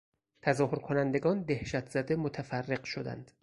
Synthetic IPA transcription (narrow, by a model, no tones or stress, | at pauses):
t̪ʰæzɒːhoɾkʰonænd̪e̞ɡɒːnd̪ehʃæt̪ʰz̥æd̪emot̪ʰæfærːeɢʃod̪æ̰nd̪̥